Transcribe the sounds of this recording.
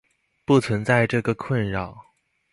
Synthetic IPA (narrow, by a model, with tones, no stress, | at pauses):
pu˥˩t͡sʰwə˧˥nt͡sa˥˧ɪʈ͡ʂɤ˥˩ɡə˩kʰwə˥˩nɻɑ˥˩ʊ